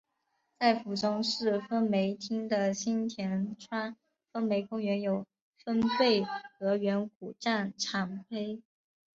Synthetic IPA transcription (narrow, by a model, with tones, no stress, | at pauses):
t͡sa˥˩ɪfu˨˩ʈ͡ʂʊ˥ŋʂɻ̩˥˩fə˥nme˧˥ɪt̪ʰi˥ŋd̪ə˨ɕi˥nt̪ʰjɛ˧˥nʈ͡ʂʰwa˥ | fə˥nme˧˥ɪkʊ˥ŋɥɛ˧˥njo˨˩ʊ | fə˥npe˥˩ɪxɤ˧˥ɥɛ˧˥nk̚u˨˩ʈ͡ʂa˥˩nʈ͡ʂʰɑ˧˥ŋpʰe˥ɪ